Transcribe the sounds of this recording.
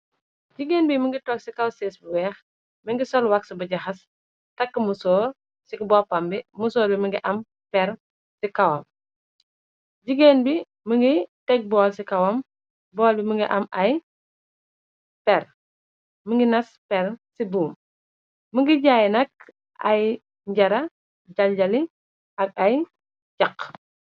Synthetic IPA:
ɟiɡeːnbiməŋɡitɔksikɐwseːsbuwɛːx | məŋɡisɔlwɐksɐbɐɟɐxɐs | tɐkːəmusɔːɾ | sikbɔːpɐmbimusɔːɾbiməŋɡiʔɐm | pɛr | sikɐwɐm | ɟiɡenbi | məŋɡitɛk̚bɔːlsikɐwɐm | bɔːlbiməŋɡiʔɐmɐj | pɛɾ | məŋɡinɐspɛɾsibuːm | məŋɡiɟaːjnɐk̚ | ʔɐ̰j | ɲɟɐɾɐ | ɟɐlɟɐli | ʔɐɡ̚ɐj | ɟɐq

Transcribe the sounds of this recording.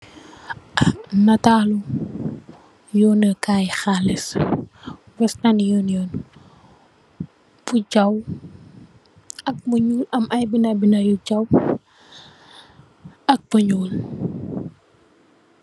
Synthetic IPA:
nɐtaːlu | jɔːnəkaːjxalis | wɐstɐnjɔːnjɔːn | fuɟɐw | ɐk̚buɲuːlɐmʔɐjbinɐbinɐjuɟɐw | ɐk̚buɲuːl

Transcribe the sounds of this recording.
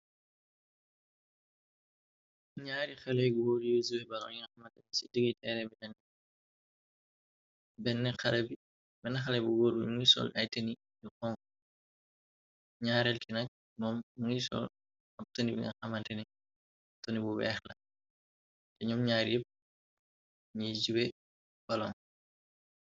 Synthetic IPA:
ɲaːɾixɛlɛjɡuwoɾjosuwɛbɐlɔiŋɐxɐmɐntɛnisidəɡitɛɾɛbinɛn | bɛnːɛxɐlɐbi | bɛnːɛxɐlɛbuɡoːɾbḭmŋisɔ̰lɐjtɐni | ixɔŋ | ɲaːɾɛlkinɐk̚ | mɔːmːŋisɔ̰l | ɐp̚tɐnibḭŋɐxɐmɐntɐni | tɔnibuwɛ̰ːxlɐ | tɛɲumɲaːɾjip̚ | ɲizuwɛ | b̥ɐlɔ̰ːŋ

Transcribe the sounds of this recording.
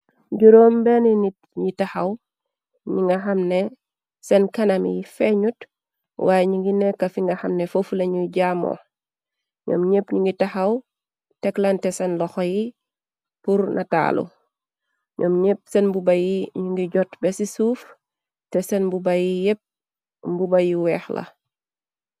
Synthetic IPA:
ɟuɾoːmbɛninit | ɲitaxɐw | ɲiŋɡɐxɐmne | sɛnkɐnɐmjifeɲut | wʔaːjɲiŋɡinekːɐfiŋɡɐxɐmnefofuleɲuɟaːmo̰ | ɲo̰ːmɲepɲuŋɡitaxɐw | tɛklantɛsɛnlɔxɔji | puɾnʔɐta̰ːlṵ | ɲʔɔːmɲep̚sɛnbubɐjiɲuŋɡiɟɔtbɛsisuːf | tɛsɛnbubajijep̚ | bubajiwɛːxlɐ̰

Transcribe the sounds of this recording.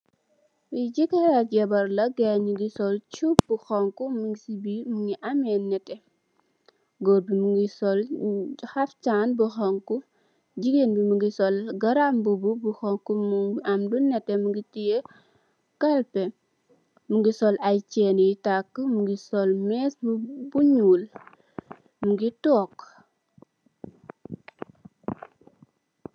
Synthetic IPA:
iɟikɐɾaɟɛbɐɾlɐɡɛɲuɡisɔlt͡ʃup̚buxɔŋkumuŋɡisibimuŋɡiʔɐmɛnːɛtɛ | ɡɔːbimuŋɡisɔlxɐft͡ʃaːnbuxɔŋku | d͡ʒiɡenbimuŋɡisɔlɡɐɾambububuxɔŋkumuamdunɛtɛmuŋɡitije | kalpɛ | muŋɡisɔlajt͡ʃɛnjitakːmuŋɡisɔlmɛsbbuɲuːl | muŋɡitɔːk

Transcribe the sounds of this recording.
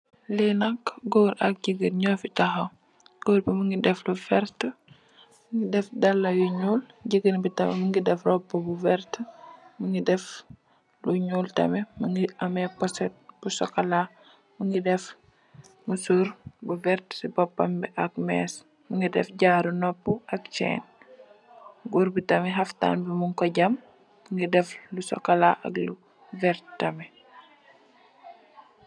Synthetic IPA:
linɐkɡoːɾʔɐk̚ɟiɡənɲɔːfitɐxo | ɡ̥oːɾbimuŋɡidɛflufɛɾt | mŋɡidɛfdɐlːɐjuɲuːl | ɟiɡənbitɐmɛ̰məŋɡidɛfrɔpːobuvɛɾtməŋidɛf | luɲuːltɐ̰mɛməŋɡiʔɐmɛpɔsɛt̚b̥usɔkɐla | muŋɡidɛf | musuɾbuvɛɾtsibɔpːɐmbɛʔɐk̚mɛs | muŋɡidɛ̰fɟaːɾunɔpːuɐk̚t͡ʃɛ̰ːn | ɡuɾbitɐmiɦɐfta̰ːnbimuŋkoɟɐm | muŋɡidɛflusɔ̰kalaʔɐ̰klu | vɛɾttːɐmɛ

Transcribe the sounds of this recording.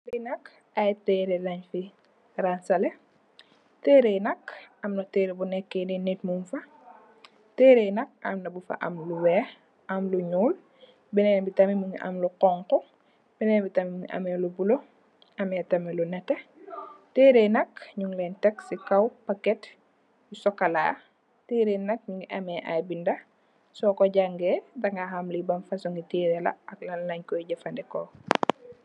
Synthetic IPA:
ɾɛnɐk | ɐjtɛɾɛlɐɲfi | ransɐlɛ | tɛːɾejnɐkɐmnɐtɛːɾɛbunɛkːɛnɛnit̚munfɐ | tɛːɾɛjnɐk̚ɐ̰mnɐbufɐ̰ʔɐ̰mluwɛː | ʔɐmluɲuːl | bɛnɛnbitɐmimuɲʔɐ̰mluqɔŋkɔ | b̥ɛnɛːnbitɐmimuɲʔɐ̰mɛlubulo | ɐmɛtɐmɛlunɛtːɛ | teːɾenɐkɲuŋlɛntɛksikɐwpɐkɛt | jusɔkːɐla̰ː | teːɾenɐk̚ɲuŋɡiʔɐmɛʔabindɐ | sɔːkɔɟaŋɡɛdɐŋɡahɐmlibɐmfɐsuŋɡitiːɾɛlɐ̰ɐklɐlnɐɲkɔjiɟɐfɐndɛkɔ

